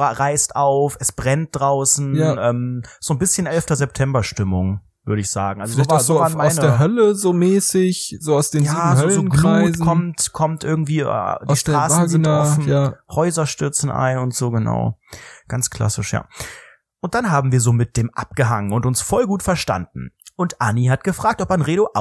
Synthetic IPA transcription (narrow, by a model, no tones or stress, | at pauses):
ʁaɪstʔaʊfɛsb̥ʁɛnt̚d̥ʁaʊsn̩jʔɛːmz̥oːnbɪsçənʔɛlftɐzɛp̚tʰɛmbɐʃtɪmʊŋ | v̥ʏɐɾəɪçz̥aːɡŋ̩alzozovazoːaːnmaʊsnəeːɐɦœləzoːmɛːsɪçz̥oːaʊsd̥eːnjaːhzœzoːnɡuːɪzkʰɔmtkʰɔmtʔɪɐɡŋ̩tv̥ḭːdiːʃtʁ̥aːsn̩zɪntɔfn̩jahɔʏzɐʃtʏɐt͡sn̩ʔa̰ɪnʊntz̥oːɡəna̰ʊɡ̥ant͡skʰl̥a̰sɪʃja̰ː | ʔʊnt̚d̥anɦaːbm̩viːɐzoːmɪt̚d̥eːmʔa̰p̚ɡ̥əɦaŋənʊntʊnsfɔlɡuːtfɛɐʃta̰nd̚n̩ʔʊntʔanihat̚ɡ̥əfʁ̥aːk̚tɔpanʁeːɾoʔa